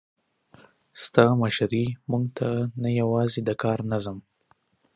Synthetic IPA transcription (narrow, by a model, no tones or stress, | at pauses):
st̪ɑmaʃaɾimuŋɡt̪ʰanajawɑzed̪əkɑɾnazəm